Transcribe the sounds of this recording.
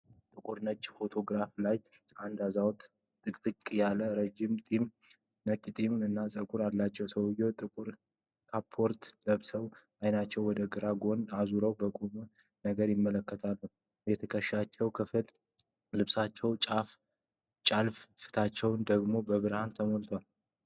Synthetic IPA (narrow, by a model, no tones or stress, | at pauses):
t̪ʼɨkʼuɾnət͡ʃʼːfo̞t̪ʰo̞ɡɾaflaj | ʔand̪azawt̪ | t̪ʼɨkʼt̪ʼɨkʼjaləɾəd͡ʒimt̪ʼim | nət͡ʃʼːt̪ʼimnɨnːasʼəkʼuɾalat͡ʃːɛwsəwjːɛwt̪ʼɨkʼuɾ | kʰapʰːo̞ɾt̪ləβsəwʔajnat͡ʃːɛwːɔd̪əɡɨɾaɡo̞nazuɾəwbəkʼum | nəɡəɾjɪmːələkːət̪ʰalːu | jɛt̪ʰəkʰəʃat͡ʃːɛwkʰɨfɨl | lɨβsat͡ʃːɛwt͡ʃʼaf | t͡ʃʼalffɨ̥t̪ʰat͡ʃːɛwnd̪əɡmo̞bəβɨɾhant̪ʰəmolt̪ʰwal